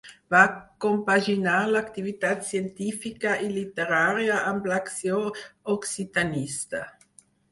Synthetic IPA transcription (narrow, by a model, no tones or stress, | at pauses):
vakompaʒinaɾlakt̪ivit̪at̪sjent̪ifikaʔelit̪eɾaːɾjaʔamblaksjooksit̪anist̪a